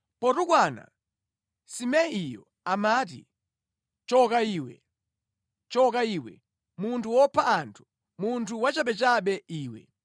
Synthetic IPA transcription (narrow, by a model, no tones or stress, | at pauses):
pɔtukwana̰ | simɛijɔ̰ | amaːt̬ḭ | t͡ʃɔkaiːwɛ̰ | t͡ʃɔkaiwɛ̰ | muntʰuwɔpʰaantʰu̥ | muntʰuwat͡ʃapɛt͡ʃaɓɛiːwɛ̰